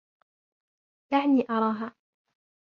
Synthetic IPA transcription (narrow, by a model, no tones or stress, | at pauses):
ʔaʕniːʔɑɾˤɑːɦaː